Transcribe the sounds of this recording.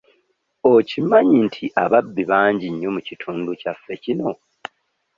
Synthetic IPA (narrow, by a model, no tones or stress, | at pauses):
ocimaɲintʰiʔaβabːiβaːɲɟiɲːo̞mucitʰuːnducafːe̞cino̞